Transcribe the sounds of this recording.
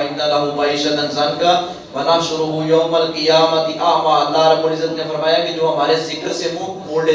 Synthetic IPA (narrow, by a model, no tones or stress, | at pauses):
ɪnːɐlɐɦumɐiːʃɐt̪ɐnzɐŋɡa | ʋɐnaʃʊɾuɦũjoːmɐlqɪjaːmɐt̪iʔaːmʋaɐld̪aːɾɐboːlɪzət̪nʰẽfɐɾmaːjãːkid͡ʒoːɐm̤aːɾezɪkəɾsemũmoːlɖe